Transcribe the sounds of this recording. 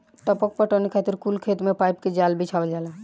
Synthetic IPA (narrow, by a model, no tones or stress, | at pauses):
ʈəpɔk̚pəɾʈɔnikʰat̪iɾkulkʰeːt̪mẽpaːjpked͡ʒaːlbʱit͡ʃʰabəld͡ʒaːla